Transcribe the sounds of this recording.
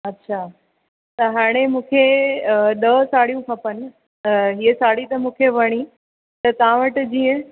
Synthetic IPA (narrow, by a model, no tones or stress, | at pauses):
ɐtːɕʰaː | t̪ɐɦaːɽ̃emũːkʰe | ɗɐsaːɽijũkʰɐpən̆ | iesaːɽit̪ɐmũːkʰeʋɐɽ̃i | t̪ɐt̪ɐʋ̤ãʋəʈd͡ʑiːə̃